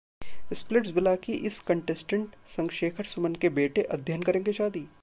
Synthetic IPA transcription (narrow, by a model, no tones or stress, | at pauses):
ɪsplɪʈsbɪlaːkiʔɪskɐ̃ɳʈɛsʈə̃ɳʈsɐ̃ŋɡʃeːkʰəɾsʊmənkebeːʈeʔɐd̪ʱjənkɐɾẽːŋɡeʃaːd̪iː